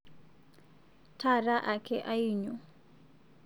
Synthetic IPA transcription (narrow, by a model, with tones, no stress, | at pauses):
tʰa˦˨ra˦ʔa˨kʰɛ˦ʔa˦i˦ɲɔ˨